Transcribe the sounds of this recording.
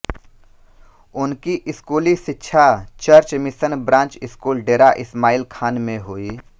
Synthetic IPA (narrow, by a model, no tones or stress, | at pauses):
ʊnkiʔɪskuːliʃɪtːʃʰat͡ʃəɾt͡ʃmɪsənbɾãːnt͡ʃɪskuːlɖeːɾaʔɪsmaːɪlkʰaːnmẽɦoːiː